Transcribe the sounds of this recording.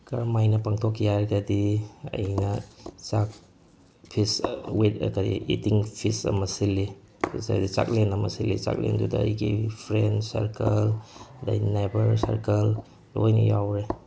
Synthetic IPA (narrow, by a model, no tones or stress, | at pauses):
kaɾmajnɐpaŋtʰokʰːijaɾɡɐdiɐ̰jnɐt͡ʃak̚ | pʰiswetkaɾḭḭtiŋpʰisɐ̰mɐsilːi | pʰisa̰dit͡ʃa̰k̚lenɐmɐsilːit͡ʃa̰k̚lḛndudɐɐ̰jɡḭpʰɾensɐ̰ɾkɐlda̰jnebɐɾsa̰ɾkɐl | lojnɐ̰jawɾe